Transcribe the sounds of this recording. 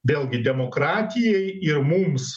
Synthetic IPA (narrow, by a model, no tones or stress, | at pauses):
ʋʲeːlʲˠɡʲɪd̪ʲɛmoːkɾɑːt̪ʲɪjɛɪɪɾmums